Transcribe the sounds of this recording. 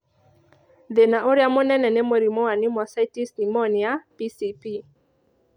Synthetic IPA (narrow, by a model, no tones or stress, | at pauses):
ðenaʔoɾjamɔnɛnɛnemoɾimɔwanɪmɔsaitisnimɔnɪapisipi